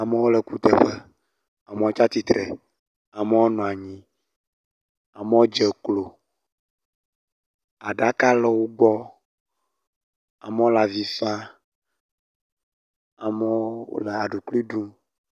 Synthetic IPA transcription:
a˨mə˦wo˦lə˨ku˦t̪ɛ˦ɸə˦ | a˨me˦wo˦t͡ʃa˦t̪i˨t̪ɾɛ̰˨ | a˨mɛ˦wo˦nɔ̃˨a˨ɲĩ˦ | a˨mɛ˦wo˦d͡ʒɛ˨klo˨ | a˨ɖa˦ka˦lɛ˦wo˦ɡ͡bɔ˦ | a̰˨m˦o˦la˨vi˦fa˦ | a˨mɛ̰˦le˨a˨ɖu˨kli˦ɖũ˦

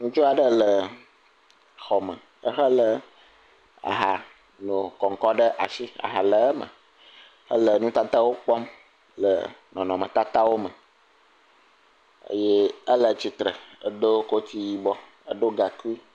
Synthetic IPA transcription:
nũ˦t͡ʃo˦a˨ɖə˦lə˨ | xɔ˨mə˨ | ə˦xə˦lə˨ | a̰˨ɦa˨ | no˨kɔ˨ŋ˨kɔ˦ɖə˦ʔa̰˨si˦a̰˨ɦa˨lə˨ə˦mə̰˨ | hə˦lə˨nũ˦t̪a˦t̪a˦wo˦k͡pɔ˦m | lə̰˨nɔ̃˨nɔ̃˨mə̃˨t̪a˦t̪a˦wo˦mə˨ | ə̰˦je˦ə˦lə˨t͡ɕi˨t̪ɾə˨ə˨ɖo˦ko˦t̪i˦ji˦bɔ˦ | ə˦ɖo˦ɡa˨ku˦i˦

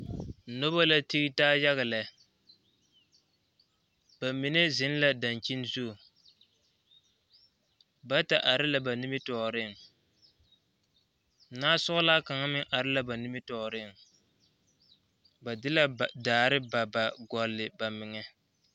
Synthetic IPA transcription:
no˦ba˦la˦ti˦ɾi˦taː˦ja˦ɣa˨lɛ˨ | b̥a˨mi˨ne˦zɪ˦n˦la˦da˨nt͡ʃi˦nzu˦˨ | ba˦ta˨ʔa˨ɾɪ˦la˨ba˨ni˦mɪ˦tɔː˨ɾɪ˦˨ŋ˨ | naː˦sʊ˦ɣʊ˦laː˦ka˨ŋa˦mɪ˦ʔa˨ɾɪ˦la˨ba˨ni˦mɪ˦tɔː˨ɾɪ˦˨ŋ | ba˨dɪ˦la˦˨daː˨ɾɪ˦ba˨ba˨ɡɔ˨lːɪ˨ba˨mɪ˨ŋɛ˦

